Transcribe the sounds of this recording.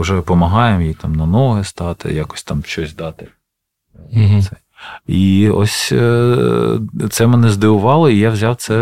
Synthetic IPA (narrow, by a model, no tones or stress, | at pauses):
ʊʒɛpɔmɐɦɑjemjijt̪ɑmnɐnɔɦɪst̪ɑt̪ɪ̰jakɔ̥sʲt̪ɑmʃt͡ʃɔsʲd̪ɑt̪ɪ | sɛ | iɔ̰sʲ | t̪sɛmɛnɛzd̪ɪʋʊʋɑlˠɔijawzʲɑwt̪sɛ